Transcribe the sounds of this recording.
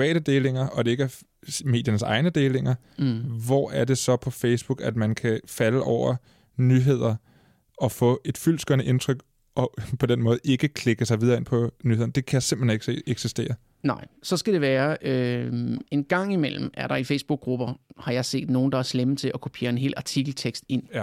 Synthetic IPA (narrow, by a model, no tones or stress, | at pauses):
pʰʋɛ̰ːɾ̥əd̥e̝ːle̝ŋɐʔɒ̽d̥e̝e̝ɡ̥æɐ | me̝̰ːd̥jɐnəsɑ̈ɪnəd̥e̝ːle̝ŋɐ | ʋɒæɐd̥e̝sɒ̽pʰɒ̽feɪsb̥uɡ̥æd̥mænkʰæfæləʔɒʊ̰ɐ | nyɦe̝ð̞̰ˠɐ | ɒ̽fɔ̰̽ːe̝d̥fyl̰sɡ̥øɐnəʔe̝nt͡sʰʁœɡ̥ | ʔɒ̽pʰɒ̽d̥enmɔ̽ːð̞̩ˠe̝ɡ̥əkʰle̝ɡ̥əsɑ̈ɪʋiðˠɐːe̝n̰pʰɒ̽nyheðˠnd̥e̝kʰæjasemb̥l̥̩heneɡ̥se̝̰ːeɡ̥sisd̥e̝̰ːɐ | nɑ̈ɪ̰sɒ̽sɡ̥æd̥e̝ʋæːɐø | e̝nɡ̥ɑ̈ŋ̰imel̰m̩æɐɾɑ̈ifeɪsb̥uɡ̥̚ʁub̥ɐhɑ̈jɑ̈ɪse̝̰ːd̥no̝ːnd̥ɑ̈æɐslem̩t͡sʰe̝lʔɒkʰo̝pʰe̝̰ːɐe̝nɦe̝̰ːlʔɑ̈t͡sʰiɡ̥l̩t͡sʰeɡ̥sd̥e̝n̰